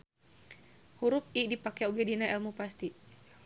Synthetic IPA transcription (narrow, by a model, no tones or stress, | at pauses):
huɾʊp̚idipakɛoɡɛdinaɛlmupast̪i